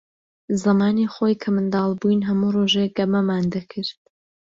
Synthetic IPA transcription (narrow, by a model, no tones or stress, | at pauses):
zɐmaːniχojkʰɐmɨnd̪ɑːlˠbujnɦɐmuroʒeɡɐmɐmaːnd̪ɐkʰɨɾd̪